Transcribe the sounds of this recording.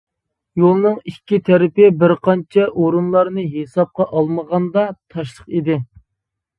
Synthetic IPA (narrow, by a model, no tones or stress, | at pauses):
jolˠnɨŋikʲːit̪ʰæɾɪpɪbɪɾqʰɑnt͡ʃʰɛʔoɾunlˠɑɾnɨɦesɑp̚qɑʔɑlˠməʁɑnd̪ɑt̪ʰɑʃ̬lˠəqid̪ɪ